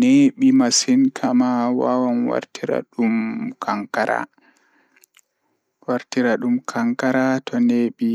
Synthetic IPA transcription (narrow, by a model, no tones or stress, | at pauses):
neɓimasinkʰamawa̰wanwa̰ɾtiɾa̰ɗumkʰaŋkaɾa̰ | waɾtiɾaɗumkʰaŋkaɾatʰɔneɓi